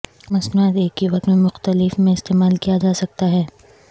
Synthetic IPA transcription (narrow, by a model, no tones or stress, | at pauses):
mɐsnuət̪eːkːiʋɐkt̪mẽmʊxt̪əlɪfmẽɪst̪eːmaːlkijad͡ʒaːsɐk̚t̪aɦɛː